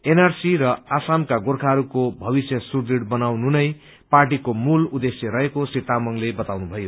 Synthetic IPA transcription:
enarsiɾʌasamkaɡorkʰaɦʌɾukobʱʌbisjʌsurd̪iɽbʌnawnunʌj | parʈikomulud̪esjʌɾʌɦekosit̪amʌŋlebʌt̪awnubʱʌjo

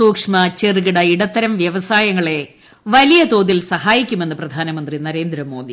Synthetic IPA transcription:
suːkʂmɐt͡ɕeriɣiɽɐiɽɐt̪ːɐɾɐmʋjɐʋɐsaːjɐŋːɐɭe̞ | ʋɐlijɐt̪o̞ːðilsɐhaːjikʲːume̞nːɨprɐd̪ʱaːnɐmɐnd̪rinɐɾe̞ːnd̪ɾɐmːo̞ːd̪i

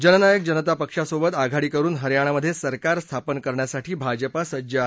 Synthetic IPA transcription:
d͡ʑənənajək̚d͡ʑənət̪apəkʂasobət̪aɡʱaɽiːkəɾuːnɦəɾjaɽ̃aməd̪ʱːjesəɾkaɾst̪ʰapənkəɾɳjasaʈʰiːbʱad͡ʑəpasəd͡ʑə

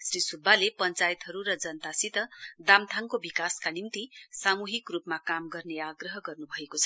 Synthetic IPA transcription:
srisubʱːalepʌnt͡sajet̪ɦʌɾuɾʌd͡zʌnt̪asit̪ʌd̪amt̪ʰaŋkobikaskanimt̪isamuɦikrupmakamɡʌrneaɡrʌɦʌɡʌrnubʱʌekot͡sʰʌ

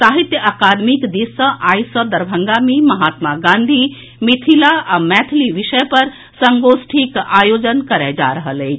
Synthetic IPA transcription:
saɦit̪jəakaːd̪mikd̪isə̃ʔaːjsəd̪əɾbʱəŋɡamemɐɦaːt̪maɡãːnd̪ʱi | mit̪ʰilaamɛt̪ʰliʋiʃəjpəɾ | səŋɡosʈʰikaːjoːd͡ʒənkəɾed͡ʒa̰ɾəɦəleː

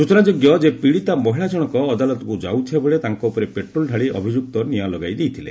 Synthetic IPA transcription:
sut͡ʃɔnad͡ʒoɡjɔd͡ʒepiɽit̪amɔɦiɭad͡ʒɔɽ̃ɔkɔːd̪alɔt̪ɔkud͡ʒa̰wt̪ʰebɔɭet̪aŋkɔupɔɾepeʈɾolɖʱaɭiɔbʱid͡ʒuk̚t̪ɔnijalɔɡajd̪ejt̪ʰilḛ

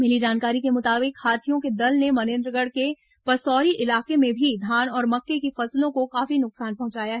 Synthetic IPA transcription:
mɪlid͡ʒaːnkaːɾikemʊt̪aːbɪkʰːaːt̪ʰijõked̪ɐlnemɐnẽːnd̪ɾəɡəɽke | pɐsɔːɾiʔɪlaːkemẽbʱid̪ʱaːnɔːɾmɐkːekifɐslõkokaːfinʊksaːnpɐɦʊ̃t͡ʃaːjaɦɛ

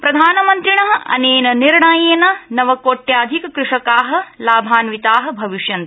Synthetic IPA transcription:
pɾɐd̪ʱaːnɐmɐnt̪ɾiɳɐɦɐ̰neːnɐniɾɳaːjeːnɐnɐʋɐkoːʈːjaːd̪ʱikɐkɾuʂɐkaːɦɐ̆laːbʱaːnʋit̪aːɦɐ̆bʱɐʋiʂjɐnt̪

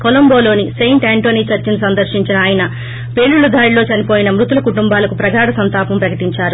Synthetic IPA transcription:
kolɐmbo̞ːlo̞ːnisejɳʈaːɳʈoːniːt͡ʃɐɾt͡ʃinsɐnd̪ɐɾʃiɲt͡ʃinɐaːjɐnɐ | pe̞ːɭːuɭud̪ʱaːɾilo̞ːt͡ʃɐnipo̞ːjinɐmɾut̪ulɐkuʈumbaːlɐkupɾɐɡaːɽɐsɐnt̪aːpɐmpɾɐkɐʈiɲt͡ʃaːɾu

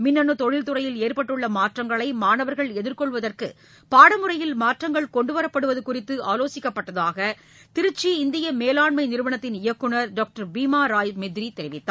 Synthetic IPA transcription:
mɪnːɐɳɯt̪ɔɻɪlt̪ɯrɐjɪleːrpɐʈːɯɭːɐmaːʈrɐŋɡɐɭɐɪmaːnɐʋɐɾɣɐɭɛðɪɾkɔɭʋɐðɐrkɯ | paːɽɐmɯrɐjɪlmaːʈrɐŋɡɐɭkɔɳɖɯʋɐɾɐpːɐɽɯʋɐðɯkʊrɪt̪ːɯʔaːloːsɪkːɐpːɐʈːɐðaːɣɐ | t̪ɪɾɯt͡ʃːiɪnd̪ɪjɐmeːlaːɳmɐɪnɪɾɯʋɐɳɐt̪ːɪnɪjɐkːɯɳɐɾɖaːk̚ʈɐɾbiːmaːɾaːjmɛd̪ɪɾit̪ɛɾɪʋɪt̪ːaː

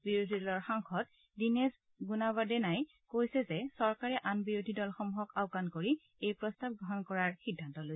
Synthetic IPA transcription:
biɹodʱidɔlɔɹxaŋxɔt | dinɛs | ɡunaβadɛnaj | kojsɛzɛsɔɹkaɹɛʔanbiɹodʱidɔlxɔmuɦɔkaʊkankoɹi | ejpɹɔstab̚ɡɹɔɦɔnkɔɹaɹxidʱːantɔlos

